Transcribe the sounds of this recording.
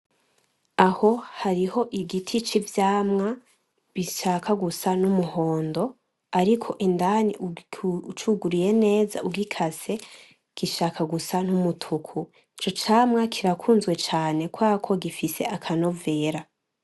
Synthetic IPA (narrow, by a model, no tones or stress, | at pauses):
aho̞haɾiho̞ʔiɡitʰit͡ʃivjaːmŋa | βiʃaːkʰaɡusanumuho̞ːndo̞ | aɾikʰo̞ʔindaniut͡ʃuɡuɾije̞ne̞ːza̰uɡikʰase̞ | ɡ̥iʃakʰaɡusanumutʰukʰu | it͡ʃo̞t͡ʃaːmŋakʰiɾakʰuːnzɡwe̞t͡ʃaːne̞kwaːkʰo̞ɡifise̞ʔakʰano̞ve̞ːɾa